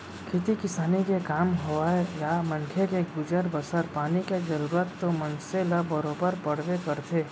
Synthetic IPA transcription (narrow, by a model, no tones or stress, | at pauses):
kʰet̪ikɪsaːnikekaːmɦoaejamɐ̃nkʰekeɡʊd͡ʒəɾbəsəɾpaːniked͡ʒɐɾuːɾət̪ːomɐ̃nseləbəɾoːbəɾpəɽ̤ʋekəɾt̪ʰeː